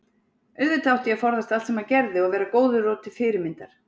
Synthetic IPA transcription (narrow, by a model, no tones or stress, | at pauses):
ʏðvɪt̪ʰawht̪ɪjɛfɔɾðast̪alt̪sɛmaɾcɛɾðɪɔɣvɛːɾakoːwðʏrɔːt̪ɪ̥fɪːɾɪɾmɪnt̪aɾ̥